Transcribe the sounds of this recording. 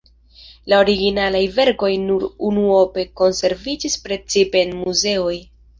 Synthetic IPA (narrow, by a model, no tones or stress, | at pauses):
lao̞ɾiɡinalajve̞ɾko̞jnuɾunuo̞pe̞ko̞nse̞ɾvid͡ʒispɾe̞t͡sipe̞ːnmuze̞o̞j